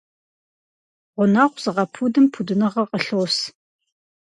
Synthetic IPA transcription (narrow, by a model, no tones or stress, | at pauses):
ʁʷʊnaʁʷz̥ɨʁɐpʰudɨmpʰudɨnɐʁɐqʼəɬoːs